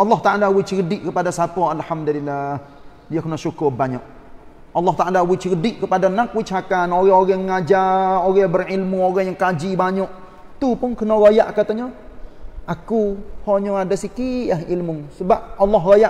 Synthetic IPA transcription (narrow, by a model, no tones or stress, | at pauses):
ʔɑlːɑht̪aʔalawɪt͡ʃɡədɪʔkəpadasapɔalhamd̪ulilːah | diakənaʃukʊrbaɲɔʔ | ɑlːɔht̪aʔalawɪt͡ʃkədɪʔkəpadanak̚wɪt͡ʃakanoɣɛoɣɛŋːad͡ʒaoɣɛbərilmuoɣaŋjaŋkad͡ʒibaɲɔʔ | t̪upʊnkənɔɣojaʔkat̪aɲɔ | ʔakuhɔɲɔadasikiaɦilmusəbap̚ɑlːɔɦɣoja